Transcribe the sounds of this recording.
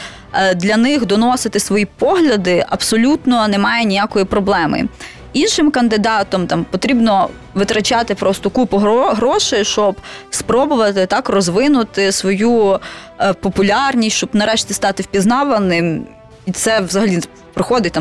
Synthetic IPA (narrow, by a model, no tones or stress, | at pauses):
d̪lʲɐnɪxd̪ɔnɔsɪt̪ɪsʋɔjipɔɦlʲɐd̪ɪʔɐbsɔlʲut̪nɔnɛmɑjɛnʲijakɔjipɾɔblˠɛmɪ̰ | inʃɪmkɐnd̪ɪd̪ɑt̪ɔmt̪ɑmpɔt̪ɾʲibnɔ | ʋɪt̪ɾɐt͡ʃɑt̪ɪpɾɔst̪ɔkupʊɦɔɦɾɔʃɪʃt͡ʃt͡ʃɔbspɾɔbʊʋɐt̪ɪt̪ɑkrɔzʋɪnʊt̪ɪsʋɔju | pɔpʊlʲɑrnʲisʲt͡ʃɔbnɐɾɛʃtʲist̪ɑt̪ɪwpʲiznɑʋɐnɪm | it̪sɛʋzɐɦɐlʲi | pɾɪxɔd̪ɪt̚ʲt̪ɑm